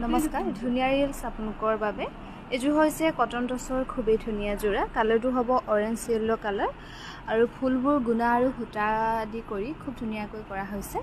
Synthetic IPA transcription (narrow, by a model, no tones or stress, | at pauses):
nɔmɔskaɹdʱunijaɹlsapunukɔɹbabɛ | ezʊɦojsɛkɔtɔntɔsɔɹkʰubejdʱunijazuɹakalɔɹt̬ʊɦɔbɔʔɔɹɛnsiɛllɔkalɔɹ | aɹupʰulbuɹɡunaːɹuɦutadikoɹikʰub̚dʱunijakojkɔɹaɦojsɛ